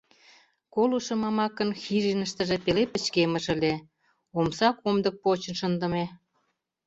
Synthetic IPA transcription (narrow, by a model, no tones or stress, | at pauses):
koluʃɤ̆mɑmɑkə̆nxiʒinəʃt̪ə̆ʒĕpelepə̆t͡ɕkemə̆ʃə̆lʲe | omsɑkomd̪ɤ̆k̚pot͡ɕə̆nʃənd̪ə̆me